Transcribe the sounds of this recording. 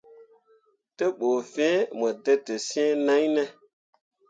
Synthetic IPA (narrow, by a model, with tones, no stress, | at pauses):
te˦ɓo˨fẽ˦mə˨de˦te˨sẽ˦nã˦jne˨